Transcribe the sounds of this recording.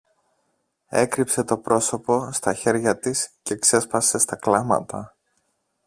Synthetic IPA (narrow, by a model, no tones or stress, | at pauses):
e̞̰kɾipse̞t̪o̞pɾo̞so̞po̞st̪ɐçe̞ɾʝɐt̪isceːkse̞spɐse̞st̪ɐklɐmɐ̰t̪ɐ